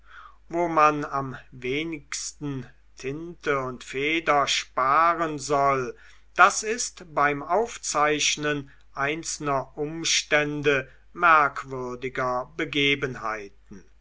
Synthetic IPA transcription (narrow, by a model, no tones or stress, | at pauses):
voːmanamveːnɪkstn̩ | tʰɪntəʊntfeːdɐʃpaːʁənzɔl | d̥asɪstbaɪmaʊft͡saɪʃnən | ʔaɪnsl̩nɐʔʊmʃtɛndə | mɛɐkv̥ʏɐdɪɡɐbəɡeːbənɦa̰ɪtn̩